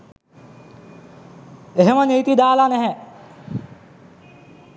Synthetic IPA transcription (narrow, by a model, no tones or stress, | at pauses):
eɦeməniːt̪id̪aːlanɛɦɛ